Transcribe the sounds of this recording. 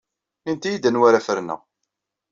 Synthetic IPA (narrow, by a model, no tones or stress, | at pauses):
int̪ijid̪ənwaɾæfəɾnæ̰